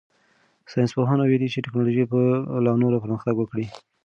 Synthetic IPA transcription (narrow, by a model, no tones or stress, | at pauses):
sɑjɪnspoɦɑnawelit͡ʃeʈɪknɑloʒepəlɑwnoɾapəɾməxt̪aɡwəkɽi